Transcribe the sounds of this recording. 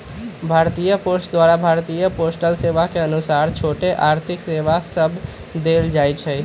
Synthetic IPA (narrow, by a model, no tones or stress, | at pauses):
bʱaɾt̪ijəposʈd̪ʋaɾabʱaɾt̪ijəposʈəlseʋakeənusaɾt͡ʃʰoʈeʔaɾt̪ʰikseʋasəbʱ | d̪eld͡ʒajt͡ʃʰɛ